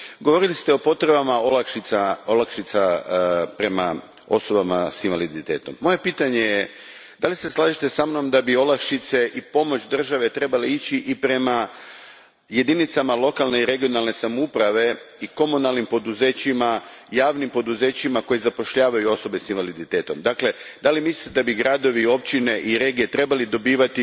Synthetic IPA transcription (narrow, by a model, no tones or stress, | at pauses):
ɡoʋo̞ɾilist̪eo̞po̞t̪ɾe̞bamaolakʃiaolˠakʃit̪sapɾe̞ma̰ | o̞̰so̞bamasinʋalid̪it̪e̞ːt̪o̞mːo̞je̞piːt̪aɲeje | d̪alise̞slˠaːʒit̪e̞samno̞md̪abio̞lakʃit̪se̞ʔipo̞mo̞t͡ɕd̪r̩ʒaʋe̞t̪ɾe̞baleit͡ɕiʔipɾe̞ma | je̞d̪init̪samalˠo̞kalˠne̞iɾe̞ɡijo̞nalˠne̞samoupɾaʋe̞iko̞munalnimpo̞d̪uze̞ːt͡ɕimajaːʋnimpo̞d̪uze̞ːt͡ɕimako̞jezapo̞ʃʎaːʋajuo̞so̞be̞sinʋalid̪it̪e̞ːt̪o̞md̪akle̞d̪alimisli̥t̪ed̪abiɡɾad̪o̞ʋio̞p̚t͡ɕine̞ʔiɾe̞ɡijet̪ɾe̞balid̪o̞biːʋat̪i